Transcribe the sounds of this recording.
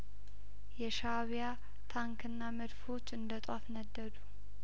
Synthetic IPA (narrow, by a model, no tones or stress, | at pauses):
jɛʃaβja | t̪ʰaŋkʰɨnːamɨd̪fo̞t͡ʃːɨnd̪ət̪ʼwafnəd̪ːəd̪u